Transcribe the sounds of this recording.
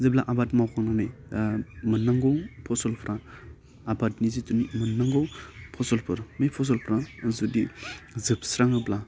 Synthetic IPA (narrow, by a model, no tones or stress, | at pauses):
zeblaʔabatmawkʰaŋnaŋnaj | mɯnːaŋɡɔwpʰɔsɔlpʰɾʔaː | batnizitunimɯnaŋɡɔwpʰɔsɔlpʰɯɾmajpʰɔs̬ɔlpʰɾazudizɯpsɾaŋɯbla